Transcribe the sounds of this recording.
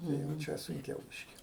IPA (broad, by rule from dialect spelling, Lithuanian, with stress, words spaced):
ˈnʊ jɛʊ ˈt͡ʃʲɛ sʊŋʲˈkʲɛʊ ˈbʲiːʃʲkʲɪ